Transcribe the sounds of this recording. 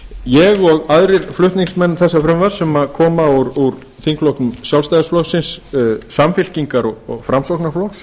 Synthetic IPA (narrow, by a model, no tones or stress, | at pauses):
jɛɣɔɣaðɾɪɾflʏht̪niŋksmɛnːθɛsːafɾʏmvaɾ̥sɛmaðkʰɔːmauɾuɾ | θiŋklɔwhk̪nʏmsjawlst̪ajðʏsflɔwsɪnssamfɪl̥ciŋkaɾɔɣɔɣfɾamsɔwhknaflɔwxs